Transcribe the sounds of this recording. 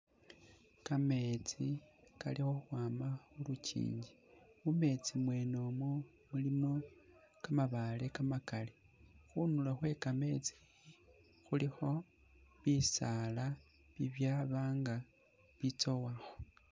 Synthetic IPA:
kame̞t͡sika̰lixo̞uxwaːmaxulucḭːɲɟiume̞t͡simwe̞no̞mwo | mulimo̞ | kamaβale̞kamakale | xunulaxwe̞kame̞t͡si̥ | xulixo̞ | βisala | βiβjaβaːŋɡa | βit͡so̞waxo̥

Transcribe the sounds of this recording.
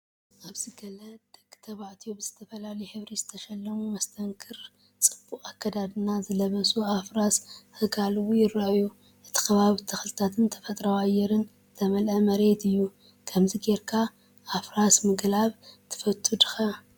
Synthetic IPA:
ʔaβzɨɡɐlɐd̪̥ɐɡɨt̪ʰɐβaʕt̪ʰijobɨz̥ɨt̪ʰɐfɐlalɐjħɨβɾizɨt̪ʰɐʃɐlːɐmumɐst̪ʰɐŋkʰɨɾ | t͡sʼɨb̥ːuχʼakʰːɐd̪ad̪ɨnazɨlɐβɐsuafɾashɨɡalɨwujɪraʔju | ʔɨt̪ʰi̥kʰɐβaβit̪ʰɐxlɨt̪ʰat̪ʰɨnt̪ʰɐ̥fɐt̪ʼɾawajːɛɾɨn | t̪ʰɐmɐlʔɐmɐɾe̞t̪ɨjːu | kʰɐmziɡe̞ɾkʰa | ʔafɾasmɨɡlaβt̪ʰɨ̥fɐt̪ʰʼːud̪ɨxɐ

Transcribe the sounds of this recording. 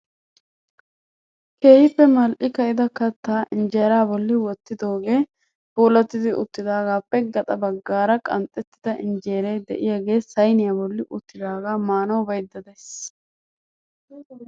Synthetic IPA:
keːhɪpːɛmɐlʔɪkɐʔɪd̪ɐkɐt̪ːaːʔɪnd͡ʒeːɾaːbɔlːɪwɔt̪ːɪd̪o̞ːɡe̞ː | b̥oːlɐt̪ːɪd̪ɪʊ̰t̪ːɪd̪aːɡaːpːɛɡɐt̪ʼɐbɐɡːaːɾɐkʼɐ̰nt̪ʼːɛt̪ːɪ̥d̪ɐʔɪnd͡ʒe̞ːɾejd̪ɛʔɪjaɡe̞ːsɐjnɪjaːbɔlːɪʔʊt̪ːɪd̪aːɡaːmaːnɐwbɐjd̪ːɐd̪es

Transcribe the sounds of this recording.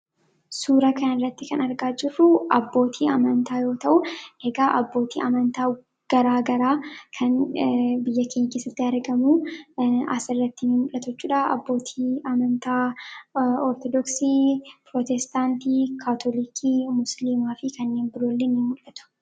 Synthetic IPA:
suːɾɐkɐnɐɪrːɐt̪ːɪkɐnɐɾɡaːd͡ʒɪrːʊʔɐbːo̞ːt̪ʰiːɐmɐnt̪aːjo̞ːt̪ɐʔʊʔeɡaːʔɐbːo̞ːt̪ḭːʔɐmɐnt̪aː | ɡ̥ɐɾaːɡɐɾaːkʰɐnbɪjːɐkeːɲːkeːsɐt̪ːɪɐɾɡɐmuː | ɐsɪrːɐt̪ːɪnɪmʊlːɐt̪ɔt͡ʃːuːᶑɐɐ̰bːo̞ːt̪ʰiːʔɐmɐnt̪aː | ɔɾt̪ɔd̪ɔksiːpɾɔt̪ɛst̪aːnt̪iːkʰaːt̪ʰɔlikʰiːmʊsliːmaːfɪkɐnːe̞ːmbɪɾoːlːenːɪmʊlːɐt̪ʊ̥

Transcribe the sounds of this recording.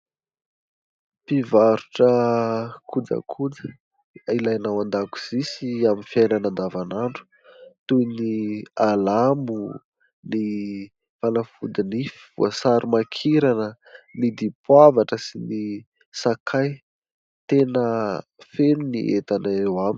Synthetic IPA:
pivaɾuʈ͡ʂə | kʰud͡zə̰kʰud͡zə | ilajnawand̪aku̥z̥isiaminfjajnanand̪avanaɳɖ͡ʐu̥ | t̪unialamu | ni | fanəfud̪inifi̥v̥ṵəsaɾimakʰiɾanə | nid̪ipwavaʈ͡ʂəsini | sakʰaj | t̪enəfenunḭʔet̪anaɾewami

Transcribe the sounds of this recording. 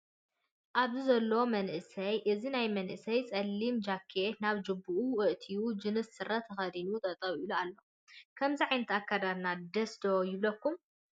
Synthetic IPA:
ʔaβzizɐlːoomɐnʔɨsɐjʔɨzinajmɐnʔɨsɐjsʼɐlːimd͡ʒakʰːenaβd͡ʒɨbːɨʔuwɨʔt̪ʰijud͡ʒɨnɨsːɨrɐt̪ʰːɐxɐd̪inut̪ʼɐt̪ʼɐwilualːo̞ | kʰɐmziʕajnɐt̪akːad̪ad̪nad̪ɐsd̪ojɪβlɐkːum

